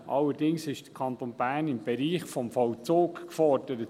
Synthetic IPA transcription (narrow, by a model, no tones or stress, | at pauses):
ʔɑlːəɾdɪŋsɪʃd̥ə̥kʰɑntonbæːɾnɪmb̥ɛɾiːχfɔmfɔlt͡soːkkfɔrd̥əɾət